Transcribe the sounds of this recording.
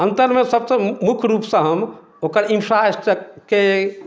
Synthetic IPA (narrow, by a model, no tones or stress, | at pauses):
ənt̪əɾmesəbsə̃mukʰɾupsə̃ɦəm | okəɾimpʰɾasʈəke